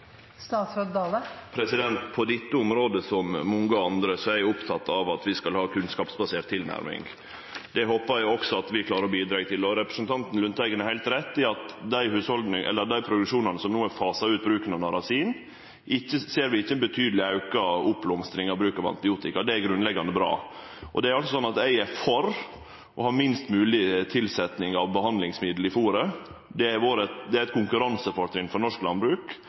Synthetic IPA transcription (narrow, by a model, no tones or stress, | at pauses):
st̪ɑːt̪sød̪d̪ɑːləpʰɾɛsɪd̪ɛnt̪pʰɔd̪ɪt̪ːəʊmɾoːd̪əsɔmːɔŋəɑnd̪ɾəsɔæjʊpt̪ʰɑt̪ːɑʋɑt̪ʋɪskɑlhɑːkʰʉnskɑːpsbɑseːɾt̪ʰːɪlnæ̰ɾmɪ̰ŋ | d̪ɛhoːpɑɾʊɔksɔɑt̪ʋɪklɑːɾəɾɔbiːd̪ɾɑːɡt̪ʰɪlɔɾɛpɾəsənt̪ʰɑnt̪n̩lʉnt̪ʰæɪɡənɛhæɪlt̪ɾɛt̪ːɪɑt̪d̪æɪhʉːshɔld̪nəʔɛ̰lːəɾd̪æɪpʰɾʊd̪ʉʂuːnɑnəsɔmnuːæfɑːsɑʉːt̪̚bɾʉːkənɑnɑɾɑsiːn | ʔɪçːəseːɾʋɪɪçːəɛnbət̪ʰyːd̪əlɪɑʉkɑʊpːlɔmst̪ɾɪŋɑʋbɾʉːkɑʋɑ̰nt̪ɪbɪuːt̪ɪkɑd̪ɛæɡɾʉnlɛɡɑnd̪əbɾɑ̰ː | ʔɔ̰d̪ɛæɾɑlsɔsɔnːɑt̪æɪæɾfɔɾ | ʔɔhɑɾmɪnst̪mʉːlɪt̪ʰɪlsɛt̪nɪŋɑʋbəhɑnd̪lɪŋsmɪd̪l̩ɪfuːɾəd̪ɛæɾʋoːɾɛt̪d̪ɛæɾɛt̪kʰʊŋkʉɾɑnsəfɔɾt̪ʰɾɪnfɔɾɳɔʂklɑnbɾʉːk